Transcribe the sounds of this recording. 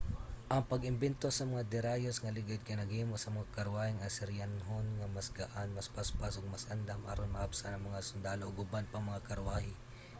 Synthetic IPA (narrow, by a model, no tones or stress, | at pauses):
ʔɐŋpɐɡɪmbɛnt̪osɐmɐŋad̪ɪɾaːjosŋɐlɪɡɪd̪̚kɪnɐɡiːmosɐmɐŋakɐɾwaːhɪŋʔɐsɛɾjanɦonŋɐmɐsɡaʔanmɐspaspasoɡ̚mɐsʔɐnd̪amʔa̰ɾonmɐʔapsanɐŋmɐŋasʊnd̪aːloʔoɡʊbanpɐŋmɐŋakɐɾwaːhɪ